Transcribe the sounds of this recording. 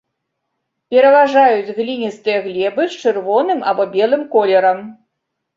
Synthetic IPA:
pʲɛɾɐvaʐajud͡zʲɣlʲinʲist̪ɨjɐɣlʲɛbɨt͡ʂɨrvɔnɨma̰bɔbʲɛlˠɨmkɔlʲɛɾɐm

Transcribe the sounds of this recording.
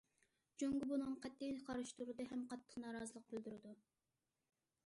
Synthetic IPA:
d͡ʒøŋɡʲibunɨŋqʰɛt̪ːijqʰɑɾɨʃt̪uɾɨd̪ɨɦɛmqɑt̪ʰːə̥qnɑːɾɑːzəlˠəqːʰølˠd̪yɾɨd̪u

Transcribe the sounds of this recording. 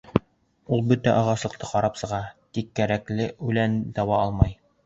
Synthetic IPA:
ulˠbɵt̪æʔɑʁɑslˠɤ̆qt̪ɤqɒɾɑpsɤ̆ʁɑt̪ikːæɾæklɘʉlænd̪ɒwɑɑlˠmɑj

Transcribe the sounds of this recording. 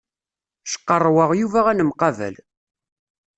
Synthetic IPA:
ʃə̥qːərˤːwəʁjuvæʁænəmqɑvæ̰l

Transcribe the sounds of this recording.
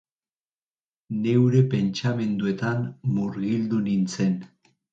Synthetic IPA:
ne̞wɾe̞pe̞nt͡ʃame̞nd̪ue̞t̪anmuɾɣild̪unint͡se̞n

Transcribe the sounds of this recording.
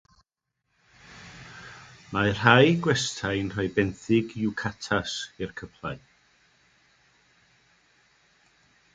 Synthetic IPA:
mar̥ajɡwɛstʰajnr̥ɔɨbɛnθɪɡjuwkʰatʰasɪrkʰəpʰlˠaɨ

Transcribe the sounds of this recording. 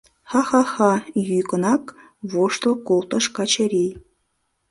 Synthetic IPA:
xɑxɑxɑjyjkə̆nɑk | βoʃt̪lˠɤkolˠt̪ə̆ʃkɑt͡ɕeɾij

